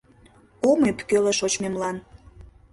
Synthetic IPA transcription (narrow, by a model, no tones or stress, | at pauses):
omepkøleʃot͡ɕmemlɑn